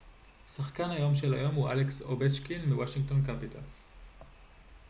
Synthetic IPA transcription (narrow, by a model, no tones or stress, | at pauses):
saχkanhajo̞mʃela̰jo̞mhuʔa̰leksobet͡ʃkinmiwaʃiŋɡ̚to̞nkapitʰa̰ls